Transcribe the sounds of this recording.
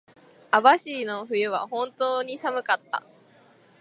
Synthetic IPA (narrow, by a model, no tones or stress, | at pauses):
abaɕiːno̞ɸɯ̟jɯ̟βa̰hõ̞nt̪o̞ːɲ̟isamɯ̟kat̪ːa̰